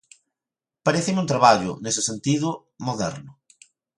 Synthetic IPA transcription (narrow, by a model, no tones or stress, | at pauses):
paɾeθɪmunt̪ɾaβaʎʊ̰nesɪsent̪iðʊ | moðɛ̰ɾnʊ